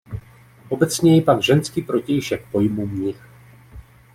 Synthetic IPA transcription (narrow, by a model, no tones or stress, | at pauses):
ʔo̞bɛt͡sɲɛjɛpaɡʒɛnskiːpɾo̞cɛjʃɛk̚pojmumɲɪx